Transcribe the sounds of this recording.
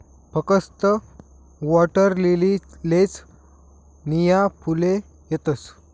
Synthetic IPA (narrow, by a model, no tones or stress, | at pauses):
pəkəst̪ə | ʋɔʈəɾlelilet͡s | nijapʰule | jet̪əs